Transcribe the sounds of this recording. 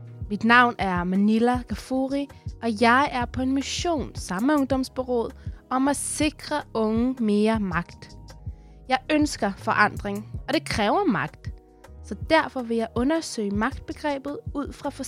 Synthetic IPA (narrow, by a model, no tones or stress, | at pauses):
mid̥nɑ̈ʊ̰næɐmænilækʰæfoʁiʔɒ̽jɑ̈ɪʔæɐpʰɒ̽e̝nmiɕo̝̰ːnsɑ̈məɔ̽ŋd̥ɒ̽msb̥e̝ʁo̰ð̰ˠɒ̽mæse̝ɡ̥ʁɐɔ̽ŋəme̝ːɐmɑ̈ɡ̥d̥ | jɑ̈ɪønsɡ̥ɐfɒʔɑ̈n̰d̥ʁeŋɒ̽ɾ̥e̝kʰʁɛːʊɐmɑ̈ɡ̥d̥ | sɒ̽d̥æɐ̰fɒ̽ʋe̝jɑ̈ɪʔɔ̽nɐsø̰ɪ̰mɑ̈ɡ̥d̥̚b̥e̝ɡ̥ʁɛ̰ːb̥ð̞̩ˠuð̰ˠfʁɑ̈fɒ